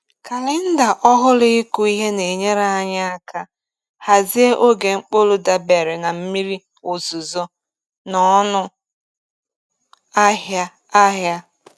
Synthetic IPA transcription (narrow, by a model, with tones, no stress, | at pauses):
ka˨lɪ˦n̩˦da˨ʔɔ˦ɦʊ˦lɪ˦ɪ˦ku˦˨i˦ɦe˦ne˨ɲe˦ɾa˦a˦ɲa˦a˦ka˦ | ha˨zi˦e˦ʔo˦ɡe˨ŋ͡m̩˦k͡po˦lʊ˦da˨be˨ɾɪ˨na˨m̩˦mi˦ɾi˦ | o˨zu˨zɔ˦ | nɔ˦nʊ˦ | a˦ɦja˦ | a˦ɦja˦